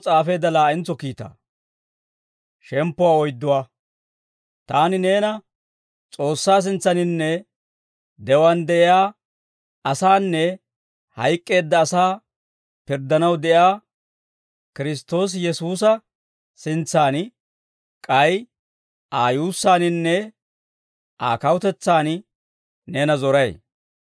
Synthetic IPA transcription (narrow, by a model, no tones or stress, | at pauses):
t͡sʼaːfe̞ːd̪ːɐlaːʔɪnt͡sːɔkiːt̪a̰ː | ʃɛmpːʊwaːɔjd̪ːʊwaː | t̪aːnɪne̞ːnɐ | t͡sʼo̞ːsːaːs̬ɪnt͡sːɐnɪnːɛ | d̪ɛwɐnd̪ɛʔɪjaː | ɐsaːnːɛ | hɐjkʼːe̞ːd̪ːɐːsaː | pɪɾd̪ɐnɐwd̪ɛʔjaː | kɪɾɪs̬t̪o̞ːs̬jɛsuːs̬ɐ | sɪnt͡sːaːn | kʼɐj | ʔaːjuːsːaːnɪnːɛ | ʔa̰ːkɐwʊt̪ɛt͡sːaːn | ne̞ːnɐzɔɾɐj